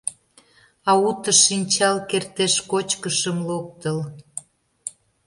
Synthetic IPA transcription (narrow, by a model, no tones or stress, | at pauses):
ɑut̪əʃinʲt͡ɕɑlkert̪eʃkot͡ɕkəʃəmlok̚t̪əl